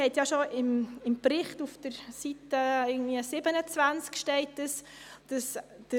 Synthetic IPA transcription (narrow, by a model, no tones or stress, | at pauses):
ɛtjaʃoɪmɪmpɾɪχtufd̥əɾsitəɪɡŋ̩dviəsɪbənət͡svænt͡skʃtɛɪt̚d̥əs | d̥əs | d̥ə